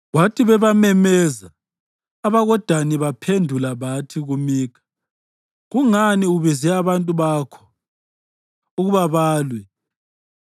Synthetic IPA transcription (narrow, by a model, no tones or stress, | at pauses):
watʰiβɛβamɛmɛzaː | βaɣɔd̥ʱaniβapʰendʱulaβatʰiɣumiːkʰḁ | ɣuŋaniuβizɛaβantʼuβakʰɔ̥ | uɣuβaβaːlwɛ